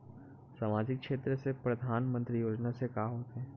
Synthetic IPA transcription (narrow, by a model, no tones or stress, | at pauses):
saːmaːd͡ʒɪkːʃeːt̪ɾəsepɾɐd̪ʱaːnmə̃nt̪ɾijoːd͡ʒnasekaːɦoːt̪eɦɛ̃ː